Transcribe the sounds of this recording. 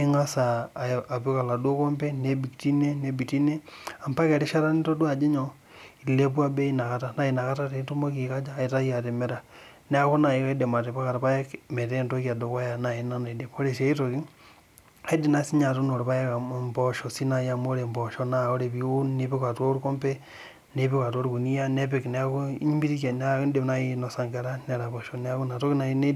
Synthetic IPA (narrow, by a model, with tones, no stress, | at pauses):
iŋa˦sa˨a˨βeka˨la˨doko˦mpenebi˨kti˦ne˦nebi˨ti˦nea˨mpa˦ke˨ɾi˦ʃa˦ɾa˦nito˦dwad͡ʒe˦ɲo | ilepwa˦be˦ina˨kata˦na˨ina˨ka˦ta˦tetu˦mo˦ki˨ka˦d͡ʒa˦itaia˨te˨me˦ɾa | ne˦a˦ko˦na˨i˦ka˦idema˨te˨paka˨ɾa˨pajekme˨tentoka˨dokwa˦ja˨na˨ena˦nedepoɾe˨sai˦toki˦ | edi˨na˦si˦ɲa˨to˦no˨ɾo˨βa˦jekamboʃosi˦na˨ja˦moɾembo˨ʃona˨o˦ɾeβiu˦nneβe˦ka˨to˦ɾuko˦mpe˦ | neβe˦ka˨to˦ɾu˦ku˨ni˦ja˦nepekneako˦ɲimbi˦ɾi˦ke˨n˦n˦dena˦inosa˨ŋɡe˦ɾane˨ɾa˨βoʃonea˦ku˦na˨to˦kina˨ine˦